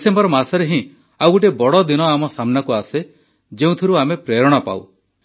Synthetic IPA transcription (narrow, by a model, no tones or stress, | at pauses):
sembɔɾɔmasɔɾeɦĩ | awkuʈ̬ebɔɽɔd̪inɔamɔsamnakuase | d͡ʒeũt̪ʰiɾuamepɾeɾɔɽ̃ɔpa̰w